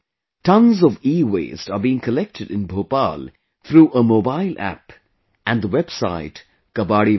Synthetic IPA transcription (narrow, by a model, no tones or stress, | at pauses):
tʌ̃nzɔviːwḛːstəbiɪ̃ŋkʰəlɛk̚tʰɨɾɪ̰̃nbʱoːpa̰l | t̪ʰɾuːʔəmoːbaɪlʔæ̰p | ʔæ̃nd̪əwɛb̥sa̰ɪt | ɡ̥əbaːɽi